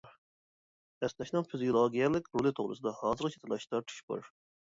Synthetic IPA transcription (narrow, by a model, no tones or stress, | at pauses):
ɛsnɛʃnɨŋfizijolˠoɡʲijɛlɪkʲɾulˠɪt̪ʰoʁɾɨ̰sɨd̪ɑhɑːzɨɾt͡ʃʰe̥t̪ʰelˠɑʃt̪ʰɑt̪ʰɨ̥ʃbṵɾ